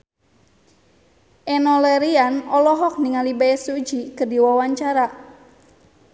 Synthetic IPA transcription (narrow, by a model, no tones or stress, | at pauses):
ʔɛnɔlɛɾianɔlɔɦɔk̚niŋalibaɛsud͡ʒikərdiwawaɲt͡ʃaɾa